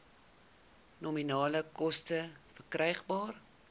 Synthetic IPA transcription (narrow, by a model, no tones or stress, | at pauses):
nɔminɑːləkɔstəfərkrɛjχbɑːr